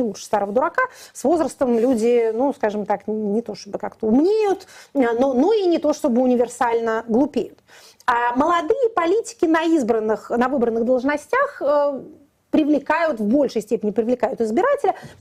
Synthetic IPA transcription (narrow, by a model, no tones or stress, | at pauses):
ɪuʂst̪aɾəvəd̪ʊɾɐkasvo̞zɾəst̪əmlʲudʲɪnuskaʐɨmt̪akʲnʲɪt̪o̞ʂt̪o̞bɨkakt̪əʊmnʲejʊt̪nnoinʲɪt̪o̞ʂt̪o̞bɨʊnʲɪvʲɪrsalʲnəɡlˠʊpʲejʊt̪ | aməlˠɐd̪ɨjəpɐlʲitʲɪ̥kʲɪnɐizbɾənːɨxnɐvɨbɾənːɨɣd̪əlˠʐnɐsʲtʲaxə | pɾʲɪvlʲɪkajʊt̪vbo̞lʲʂɨjsʲtʲepʲɪnʲɪpɾʲɪvlʲɪkajʊt̪ɨzbʲɪɾatʲɪlʲə